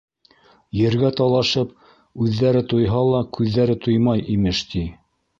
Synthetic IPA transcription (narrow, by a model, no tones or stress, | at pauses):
jɘ̆ɾɡæt̪ɑlˠɑʃɤp | ʉðːæɾɘt̪ujɦɑlˠɑkʉðːæɾɘt̪ujmɑjʔimɘʃt̪i